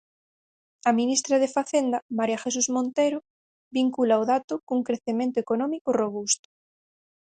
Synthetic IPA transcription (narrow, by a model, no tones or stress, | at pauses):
ɐmĩnist̪ɾaðefaθend̪amaɾjaxes̬uzmõnt̪eɾo | biŋkulaoðat̪ʊkuŋkɾeθemẽnt̪oekonɔmikoroβ̞ust̪ʊ̥